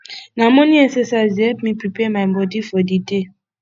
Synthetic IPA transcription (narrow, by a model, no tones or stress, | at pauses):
nãmõnĩɛsɛsazɛlpmĩpɹipɛmaɪbɔdifɔdide